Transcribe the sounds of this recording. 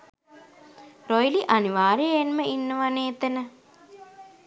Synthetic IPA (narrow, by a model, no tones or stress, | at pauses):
ɾojliʔaniʋaːɾienməinːəʋaneːt̪enə